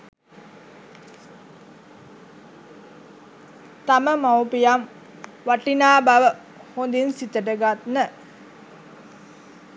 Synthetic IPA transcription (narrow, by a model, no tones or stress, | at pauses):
t̪aməmawpijam | ʋaʈinaːbaʋə | hond̪insit̪əʈəɡat̪nə